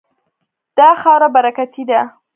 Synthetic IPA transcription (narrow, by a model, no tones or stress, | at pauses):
d̪̥ɑxɑwɾabaɾakat̪id̪a